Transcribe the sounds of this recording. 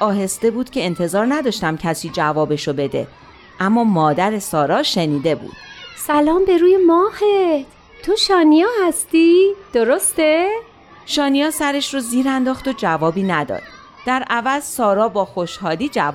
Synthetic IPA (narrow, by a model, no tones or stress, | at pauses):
ɒːɦe̞st̪e̞buːd̪̥cʰe̞ːnt̪ʰe̞zɒːɾnæd̪ɒːʃt̪æmcʰæsiːd͡ʒævɒːbe̞ʃobe̞d̪e̞̰ | ʔæmːɒːmɒːd̪æɾe̞sɒːɾɒːʃe̞niːd̪e̞bṵːd̪̥sælɒːmbe̞ɾuːjemɒːhet̪ | t̪ʰoʃɒːnijɒːhæst̪iːd̪̥oɾost̪e | ʃɒːnijɒːsæɾe̞ʃɾoziːɾænd̪ɒːxt̪od͡ʒævɒːbiːnæd̪ɒ̰ːd̪̥ | d̥̪æɾʔævæzsɒːɾɒːbɒːxo̞ʃhɒːliːd͡ʒæv